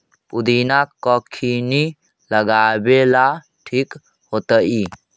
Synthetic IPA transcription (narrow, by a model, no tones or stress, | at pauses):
pud̪inakːɔkʰini | ləɡabela | ʈʰik | hot̪əʔi